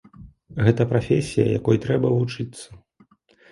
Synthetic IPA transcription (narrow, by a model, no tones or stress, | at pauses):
ɣɛt̪ɐpɾafʲesʲijɐ̰ja̰kɔjt̪ɾɛbɐvut͡ʂɨt̪sːɐ̥